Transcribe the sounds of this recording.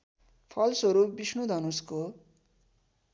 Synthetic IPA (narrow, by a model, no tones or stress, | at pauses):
pʰʌlsʌɾupbisnud̪ʱʌnusko